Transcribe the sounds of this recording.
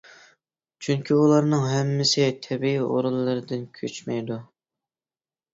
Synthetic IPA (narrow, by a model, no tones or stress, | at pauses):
t͡ʃʰyŋkʲʰiulˠɑɾnɨŋɦɛmːɪsɪt̪ʰɛbiio̰ɾulˠːɨɾɨd̪ɨnkʲʰøt͡ʃmɛjd̪u